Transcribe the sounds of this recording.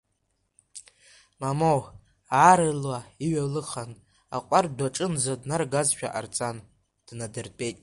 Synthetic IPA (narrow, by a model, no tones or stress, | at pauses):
mamow | aːɾɨlwaiɥalɨχan | a̰qʷʼardʷaʈ͡ʂʼɨnzadnarɡazʃᶣa̰ʔart͡sʼan | d̥nadɨrpʼe̞jtʼ